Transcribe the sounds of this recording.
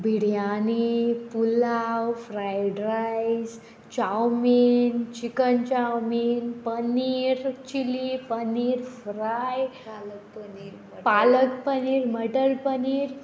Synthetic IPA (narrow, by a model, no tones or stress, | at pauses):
bʱiɽjanipulawfɾajɖɾajd͡z | t͡ɕawmint͡ɕikənt͡ɕawminpəniiːɾt͡ɕilipəniɾfɾaj | paləkpəniːɾməʈəlpəniːɾ